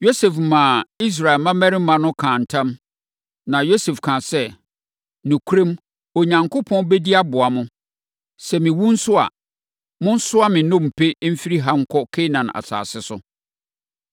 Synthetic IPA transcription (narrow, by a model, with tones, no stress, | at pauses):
jo˦se˨fmã˨i˦s̬ɾa˨ɛ˨mã˦mæ˦ɾi˦mã˨nʊ̃˦kʰãː˨n̩˨tʰã˦m | nã˨jo˦se˨fkʰã˨sɛ˦ | nũ˨kʰu˦ɾẽ˦m | o˨ɲã˨ŋkʰʊ˦pʰɔ̃˦nbe˦di˦a˦bʊ˨a˨mʊ̃˦ | sɛ˨mɪ̃˨wũ˦n̩˦sʊ˦a̰˨ | mʊ̃˦n̩˦sʊ˦a˦mɪ̃˨nʊ̃˦m̩˨pʰe˦m̩˦fi˦ɾi˦ɦa˦ŋ̩˦kʰɔ˦kʰe˦nã˨na̰˨sa̰ː˨sɪ˦sʊ˦